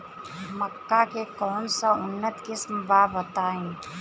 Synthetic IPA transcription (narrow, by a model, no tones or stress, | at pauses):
məkːakekɔːnsaʊnːət̪kɪsmbaːbət̪aːẽː